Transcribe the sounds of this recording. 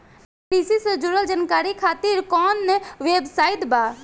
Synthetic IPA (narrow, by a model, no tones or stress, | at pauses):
pɾiːsised͡ʒuɾəld͡ʒankaːɾikʰaːt̪iɾkɔːnːeʋeːbsaːɪt̪baː